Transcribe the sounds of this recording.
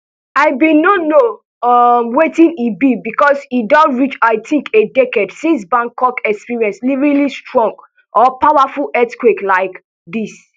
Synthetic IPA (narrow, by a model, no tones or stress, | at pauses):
aɪbĩnono | ʌmwetĩnibibikɔsidãɹit͡ʃaɪtʰĩŋkʰedɛked̥sĩns̬bãŋkɔkɛkspiɹiɛ̃nslivɹilistɹɔ̃ŋɡ | ʔɔpaʊwafulɛtkweklaɪk | d̪is